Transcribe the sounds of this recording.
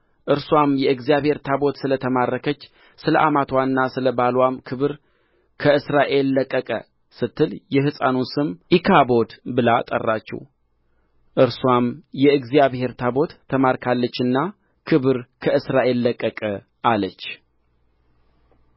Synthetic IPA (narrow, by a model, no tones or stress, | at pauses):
ʔɨɾswamjɛɨɡzijaβhe̞ɾt̪ʰabo̞t̪sɨlət̪ʰəmarːəkʰət͡ʃː | sɨlə̰ʔamat̪ʰwanːasɨləbalwamkʰɨβɨɾ | kʰəɨsɾaʔe̞lːəkʼːəkʼə̰ | sɨt̪ʰːɨljɛɦɨsʼa̰nusɨmʔikʰabo̞d̪bɨlat̪ʼə̰rːa̰t͡ʃːɛ̰w | ʔɨɾswamjɛɨɡzijaβhe̞ɾt̪ʰabo̞t̪ʰːəmaɾkʰalːət͡ʃːɨnːa | kʰɨβɨɾkʰəɨsɾaʔe̞lːəkʼːəkʼə | ʔalət͡ʃː